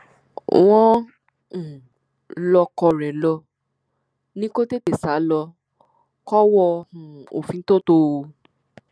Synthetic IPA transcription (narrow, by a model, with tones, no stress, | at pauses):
w̃ɔ̃˦˨ | lɔ˧kɔ˧ɾɛ˨lɔ˧ | nĩ˦ko˦te˦te˨sa˨˦lɔ˧ | kɔ˦wɔ˧ũ˨o̰˨fĩ˧˦to˦˨to˧